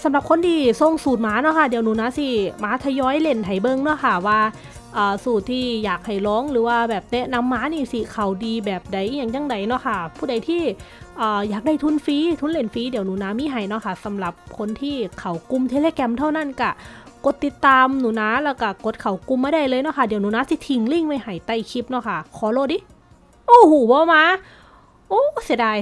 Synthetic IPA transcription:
sa˨˧˦mla˧˦p̚kʰo˧˥ndiː˧so˧ŋsuː˨˩t̪̚maː˨˦˥nɔ˧˥kʰa˧˩di˨˦əwnuː˨˦naː˨˧˥si˧˩maː˨˦˥t̪ʰa˧jɔː˧˥jle˧˩nt̪ʰa˨˩jbɤ˧˨ŋnɔ˧˥˨kʰa˧˩waː˧ | ʔɤː˨˩suː˨˩t̪̚ʰːiː˧˩jaː˨˩k̚ha˨˩jlɔː˨˦˥ŋlɯː˩˦waː˧bɛː˨˩p̚nɛ˦˧˥ʔna˧˥mːaː˧˥niː˧˩˨si˧˩kʰa˨˩wdiː˧bɛː˨˩p̚da˨˩jjaː˧˩ŋja˧˩ŋda˨˩jnɔ˧˥kʰa˧˩pʰuː˧˥˩da˨jt̪ʰiː˧˥˩ | ʔɤː˨˩jaː˨˩k̚a˧˩jt̪ʰu˧˥˨nfiː˧˦t̪ʰuː˧˥nle˧˩nfiː˧˦˥diː˨˦əwnuː˨˦˨naː˨˧˥miː˧˥˨ɦa˨˩jnɔ˧˥kʰa˧˩sa˨˦mla˨˧˦p̚kʰo˧nt̪ʰiː˧˩kʰa˨˩wku˧˨mt̪ʰe˧leː˧˨kɛ˧mt̪ʰa˧˥˩wna˧˥˩nka˧˩ko˧˦t̪ːi˧t̪ːaː˧mnuː˨˩˦naː˧˥lɛː˧˩wka˧˩ko˧˦t̪̚kʰa˨˩wku˧mːaː˧˥ɾa˧˩jlɤː˧jnɔ˧˥˨kʰa˧˩di˨˦əwnuː˨˦naː˧˥si˧˦t̪ʰi˧˩ŋli˧˥˩ŋwa˧˩jha˨˩jt̪a˧˩jkʰi˧˩p̚nɔ˧˩kʰa˧˩kʰɔː˨˦loː˧˩˨diː˧˨ | ʔoː˧˩˨huː˧˩bɔː˧˦maː˧˥ | ʔoː˧˥˩si˧˩˦daː˧˩j

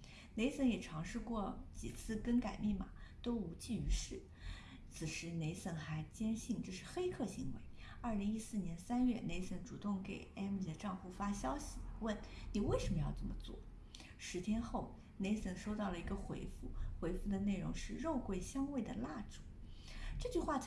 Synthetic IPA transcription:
ne˧˥ɪsə˧˥njɛ˨˩ʈ͡ʂʰɑ˧˥ŋʂɻ̩˥˧kwɔ˥˩t͡ɕḭ˨˩t͡sʰɹ̩˥˩kə˥nka˨˩ɪmi˥˩mɐ˩ | t̪o˥ʊu˧˥t͡ɕi˥˩y˧˥ʂɻ̩˥˩ | t͡sʰɹ̩˨˩ʂɻ̩˧˥ne˧˥ɪsə˥˩nxa˧˥ɪt͡ɕjɛ˥nɕi˥˩ŋʈ͡ʂɤ˥˧ʂɻ̩˥˩xe˥ɪkʰɤ˥˩ɕḭ˧˥ŋwḛ˧˥ɪ | ɐ˞˥˩li˧˥ŋi˥sɹ̩˥˩njɛ˧˥nsa˥nɥɛ˥˩ne˧˥ɪsə˧˥nʈ͡ʂu˨˩t̪ʊ˥˩ŋke˨˩ɪɛ˥mi˧˩d̪ə˨ʈ͡ʂɑ˥˧ŋxu˥˩fa˥ɕjɑ˥ʊɕi˨˩wə˥˩nni˨˩we˥˩ɪʂə˧˥mə˧jɑ˥˧ʊt͡sə˥˩mə˩t͡swɔ̰˥˩ | ʂɻ̩˧˥t̪ʰjɛ˥nxo˥˩ʊ | ne˧˥ɪsə˥˩nʂo˥ʊt̪ɑ˥˩ʊlə˩i˧˥ɡə˧xwḛ˧˥ɪfu˥˩xwe˧˥ɪfu˥˩d̪ə˩ne˥˩ɪɻʊ̰˧˥ŋʂɻ̩˥˧ɻo˥˧ʊkwe˥˩ɪɕjɑ˥ŋwe˥˩ɪd̪ə̰˩la˥˩ʈ͡ʂu̥˨˩˦ | ʈ͡ʂɤ˥˧t͡ɕy˥˧xwa˥˩

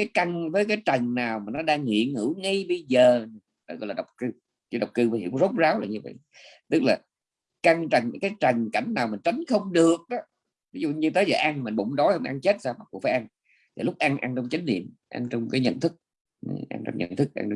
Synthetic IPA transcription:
kaː˨˦jka˧ŋvəː˨˦jkaː˨˦jt͡ɕə˨˩ŋnaː˨˩wmaː˨˩nɔ˨˦ɗaː˧ŋŋḭ˧˨əŋɨ˧˩˥ŋa˧jɓə˧jzəː˨˩˨ | ɗɔ̰˨˦ɣɔ̰˧˨laː˨˩˨wk͡p̚kɨ˧ | t͡ɕi˧˨˦ɗwk͡p̚kɨ˧mː˨˦hḭ˧˩əwŋ͡mzo˦˥t̚zaː˨˦wla̰ː˨˩ɲɨ˧və̰˧˨j | t̪ɨ˦˥k̚laː˨˩ | ka˧ŋt͡ɕə˨˩ŋkaː˨˦jt͡ɕə˨˩ŋka˧˩jŋ̟naː˨˩wmi˨˩n̟t͡ɕa˨˦jŋ̟xə˧wŋ͡mɗɨ˨˩ək̚ɗɔ˨˦ | vi˨˦zṵ˧˨ɲɨ˧t̪ə˨˦jzəː˨˩jʔa˧ŋma˨˩nɓʊ̰˧˥ŋ͡mɗɔ˨˦jhə˧wŋ͡mʔa˧ŋt͡ɕe˦˥t̚saː˧wma˨˩ku˨˩faː˨˦ʔa˧n | t̪ʰi˨˩lʊ˦˥k͡p̚ʔa˧ŋʔa˧ŋnt͡ɕɔ˧wŋ͡mt͡ɕi˨˦ŋ̟nḭ˧˨əmʔa̰˧nt͡ɕɔ˧wŋ͡mkaː˨˦jɲə̰˧˨nt̪ʰɨ˦˥k̚ | ʔa̰˧nt͡ɕɔ̰˧wŋ͡mɲə̰˧˩˨nt̪ʰɨ˦˥k̚ʔa̰˧ŋ˧

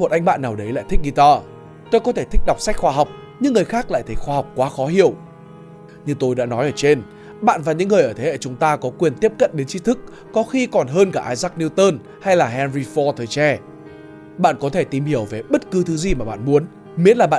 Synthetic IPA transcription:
mo˨˩t̚ʔa˧jŋ̟ɓa̰ː˧˨nːaː˨˩wɗə˨˦jla̰ː˧˨t̪ʰï˦˥k̚ʔi˧t̪aː˧ | t̪o˧jkɔ˨˦t̪ʰe˧˩t̪ʰï˦˥k̚ɗa˨˩wk͡p̚sa˦˥k̚xwaː˧ɦa˨˩wk͡p̚ | ɲɨ̰˧˥ŋːɨ˨˩əjxaː˦˥k̚la̰ː˧˨jt̪ʰə˨˦jxwaː˧ha˨˩wk͡p̚kwaː˨˦xɔ˨˦hi˧˩əw | ɲɨ˧t̪o˧jɗa̰ː˧˥nɔ˨˦jʔəː˧˩t͡ɕe˧n | ɓa̰ː˧˨nvaː˨˩ɲɨ̰˧˥ŋːɨ˨˩əjʔəː˧˩t̪ʰe˨˦ḛ˧˩t͡ɕʊ˨˦ŋ͡mt̪aː˧kɔ˨˦kwi˨˩ənt̪i˦˥əp̚kə̰˧˨nɗe˨˦nt͡ɕi˨˧˦t̪ʰɨ˦˥k̚ːɔ˨˦xi˧kɔ˨˩nɦəː˧nkaː˧˩ʔaː˧jzaː˦˥k̚ni˧wt̪əː˧n | ha˧jlaː˨˩ɦɛ˧nɹi˧fɔ˧t̪ʰəː˨˩jt͡ɕɛ˧ | ɓa̰ː˧˨nkɔ˨˦t̪ʰe˧˩t̪i˨˩mhi˧˩əwve˨˩ɓə˦˥t̚kɨ˨˦t̪ʰɨ˨˦zi˨˩maː˨˩ɓa̰ː˧˨nmu˨˦ən | mi˨˦˥ən̚laː˨˩ɓa̰ː˧˨

